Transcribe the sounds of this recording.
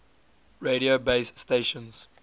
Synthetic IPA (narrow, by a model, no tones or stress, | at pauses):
ɹeɾiobeɪsːteʃɔ̃nz̥